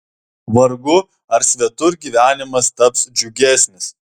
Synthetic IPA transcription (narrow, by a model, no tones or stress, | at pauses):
ʋɐɾɡʊ | ɐɾsʲʋʲɛt̪ʊɾɡʲiːʋʲæːnʲɪmɐst̪ɐpsd͡ʒʲʊɡʲæːˑsʲnʲɪs